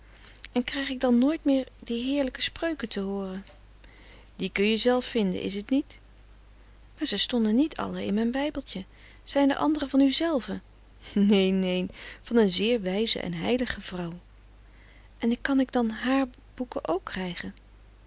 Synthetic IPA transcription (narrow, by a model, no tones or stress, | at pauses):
ɛnkrɛjχɪɡ̚dɑnːoːjtmɪːɹdiɦɪːɹləkə̥sprøɥkəntəɦʊːrən | dikɵnjəzɛlˠfːɪndə̰nʔɪ̰s̬ətnit | maːɹzɛjstɔndənitʰɑ̰ləɪ̰nmɛjnbɛjbəlˠtə | z̥ɛjndə̰ʔɑ̰ndərəvɑnyzɛlˠvə | nejnejnv̥ɑnənzɪːɹʋɛjzə̰ʔɛ̰nɦɛjləχəv̥rɑw | ʔɛnɪkːɑnɪɡdɑnɦaːɹ | b̥ukəʔowkːrɛjχən